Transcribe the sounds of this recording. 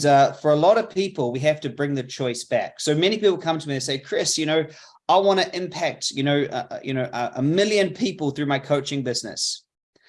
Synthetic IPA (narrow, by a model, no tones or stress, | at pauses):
zʌfə˞əlɔɾʌv̥pʰipəl̩ˠwiɦæftɨbɹɪ̃ŋðɨt͡ʃʰɔɪsb̥æksoʊmɛñipipl̩ˠkʰʌ̃mtʰəmiɨ̃nseɪkʰɹ̥ɪsjɨñoʊ | aɪwɑ̃ñɨʔɪ̃mpʰæk̚tjɨnoʊjɨ̰noʊʔəʔəmɪlˠjɨ̃npʰipl̩ˠθɹʉmaɪkʰoʊt͡ʃɪ̃ŋbɪznɨ̰s